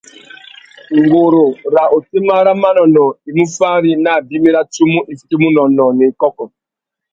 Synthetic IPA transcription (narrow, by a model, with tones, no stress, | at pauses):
ŋɡo˨ɾo˨ɾa˨ʔo˨ti˦ma˦ɾa˦ma˦nɔ˨nɔ˨i˨mu˦fa˦ɾi˦na˦˨bi˦mi˦ɾa˦tu˦mu˦ʔi˨sti˦mu˦nɔ˨nɔ˨ni˨kɔ˦kɔ˨